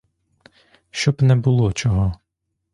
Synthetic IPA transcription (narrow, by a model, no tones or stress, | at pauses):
ʃt͡ʃɔbnɛbʊlˠɔt͡ʃɔɦɔ